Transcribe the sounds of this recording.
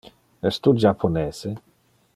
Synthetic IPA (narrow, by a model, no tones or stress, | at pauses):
ɛst̪ud͡ʒapʰːonɛːse